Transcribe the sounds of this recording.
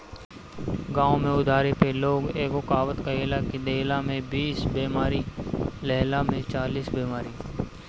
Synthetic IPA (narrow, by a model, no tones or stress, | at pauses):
ɡãːõmẽʊd̪ʱaːɾepeloːɡeːɡokaːʋət̪kaɦelakid̪eːlamẽbiːsbiːmaːɾilɛɦlamẽt͡ʃaːliːsbiːmaːɾiː